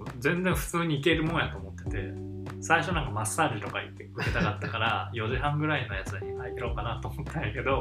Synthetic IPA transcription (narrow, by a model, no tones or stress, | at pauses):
d͡zẽ̞nd͡zẽɰ̃ɸɯ̟̥t͡sɨːɲ̟iːke̞ɾɯ̟mõɰjat̪o̞ːmo̞t̪ːe̞t̪e̞ | saiɕo̞nãŋkamasːaːd͡ʑit̪o̞kaḭt̪ːeɯ̟ke̞t̪akat̪ːakaɾajo̞ʑiɦãŋɡɯ̟ɾaino̞jat͡sɨd̪aɲʲikaik̪ʲeɾo̞kanat̪ːoːmo̞t̪ʰːãj̃jake̞d̪o̞